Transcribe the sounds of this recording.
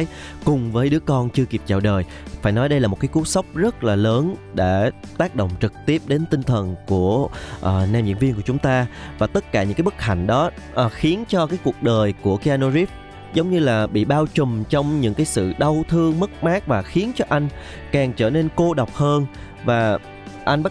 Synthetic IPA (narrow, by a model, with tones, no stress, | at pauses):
j | kʊ˨˩ŋ͡mvəː˨˦jɗɨ˨˦əkɔ˧nt͡ɕɨ˧əki˨˩p̚t͡ɕa̰ː˧˩wɗəː˨˩j | faː˧˩jnɔ˨˦jɗə˧jlaː˨˩mo˨˩t̚kaː˨˦jku˨˦əsa˦˥wk͡p̚zə˦˥t̚laː˨˩ləː˨˦nɗḛ˧˩t̪aː˦˥k̚ɗo̰˧˨ŋ͡mt͡ɕɨ˨˩k̚t̪i˦˥əp̚ɗe˨˦nt̪ï˧ŋt̪ʰə˨˩nku˧˩əʔəː˨˩naː˧mḭ˧˩ənvi˧ənkət͡ɕʊ˨˦ŋ͡mt̪aː˧vaː˨˩t̪ə˦˥t̚kaː˧˩ɲɨ̰˧˥ŋkaː˦ɓə˦˥k̚ha̰˧˩jŋ̟ɗɔ˨˦ʔxi˨˦ənt͡ɕɔ˧kaː˨˦jku˨˩ək̚ɗəː˨˩jku˧˩əki˧aː˧no˧zi˦˥p̚ | zə˨˦wŋ͡mɲɨ˧laː˨˩ɓḭ˧˨ɓaː˧wt͡ɕʊ˨˩ŋ͡mt͡ɕɔ˧wŋ͡mɲɨ̰˧˥ŋkaː˨˦jsɨ̰˧˨ɗə˧wt̪ʰɨ˧əŋmə˦˥k̚maː˦˥k̚vaː˨˩xi˨˦ənt͡ɕɔ˧ʔa˧jŋ̟ | kaː˨˩ŋt͡ɕəː˧˩ne˧nko˧ɗa˨˩wk͡p̚həː˧n | vaː˨˩ | ʔa˧jŋɓa˦˥